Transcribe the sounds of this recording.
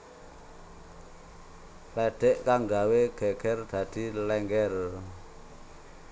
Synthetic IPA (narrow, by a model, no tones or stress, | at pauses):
lɛɖ̪̥ɛʔkaŋɡaweɡ̥ɛɡ̥ɛrd̪̥a̤d̪̥i̤lɛŋɡɛr